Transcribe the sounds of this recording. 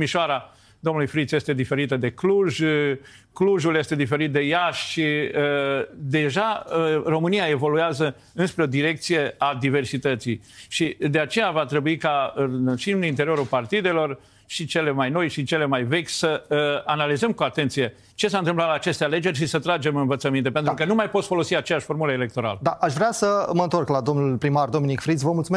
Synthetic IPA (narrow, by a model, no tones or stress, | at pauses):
miʃoaɾa | d̪o̞mnulujfɾit̪sjest̪e̞d̪ife̞ɾit̪əd̪e̞kluʒ | kluʒulje̞st̪ed̪ife̞ɾit̪̚d̪e̞jaʃʃiəd̪e̞ʒaro̞mɨnijae̞vo̞lujazə | ɨnspɾeo̞d̪iɾe̞k̚t̪sije̞ad̪ive̞rsit̪ət̪sij | ʃid̪e̞at͡ʃe̞javat̪ɾe̞buikaɨnʃinint̪e̞ɾio̞ɾulpart̪id̪e̞lo̞r | ʃit͡ʃe̞lemajno̞jʃit͡ʃele̞majve̞kʲsəanalizəmkuat̪e̞nt̪sije̞ | t͡ʃe̞s̬aɨnt̪ɨmplat̪laːt͡ʃe̞st̪eale̞d͡ʒe̞rʲʃisət̪ɾad͡ʒe̞mɨnvət̪səmint̪e̞pent̪ɾukənumajpot̪sʲfo̞lo̞siat͡ʃejaʃʲfo̞rmuləele̞k̚t̪o̞ɾa̰ləd̪aʔaʃvɾeasəməɨnt̪o̞rklad̪o̞mnulpɾimard̪o̞minikfɾid̪svəmult̪sume